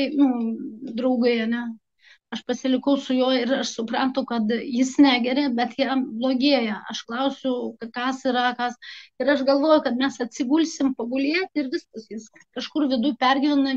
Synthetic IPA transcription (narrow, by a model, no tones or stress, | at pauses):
t̪ɐɪnʊd̪rɐʊɡɐɪɐnʲɛ | ɐʃpɐsʲɪlʲɪkɐʊsʊjoːɪrɐʃsʊprɑːnt̪ʊkɐt̪jɪsnʲæːɡʲɛɾʲɛbʲɛt̪jæːblˠoːɡʲiɛjɛɐʃklˠɐʊsʲʊkkɐsiɾɐkɐsɪɾɐʃɡɐlˠʋoːjʊkɐt̪mʲɛsɐt̪ʲsʲɪɡuːlʲsʲɪmpɐɡʊlʲiːɛt̪ʲɪrʋʲɪskɐsjɪs | kɐʃkʊrʋʲɪd̪ujpʲærʲɡʲɪʋʲɪnɐ